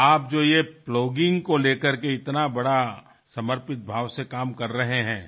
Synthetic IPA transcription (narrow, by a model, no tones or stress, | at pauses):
aːp̚d͡ʒoːjeploːɡɪ̃ŋɡkoleːkəɾkeɪt̪nabɐɽa | sɐməɾpɪt̪̚bʱaːʋsekaːmkɐɾːɐɦeɦɛ̰̃ː